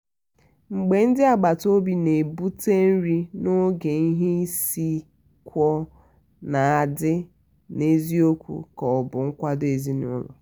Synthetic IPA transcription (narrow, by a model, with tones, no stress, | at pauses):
ŋ͡m̩˨ɡ͡be˨n̩˦dɪ˦a˨ɡ͡ba˨to˦bi˨ne˨bu˦te˦n̩˦ɾi˦no˦ɡe˨i˦ɦe˦i˦si˦ | kʷɔ˦ | na˨a˨dɪ˦ | ne˦zi˦o˦kʷṵ˨kɔ˨bʊ˨ŋ̩˦kʷa˦de˨zi˦nʊ˦lɔ̰˨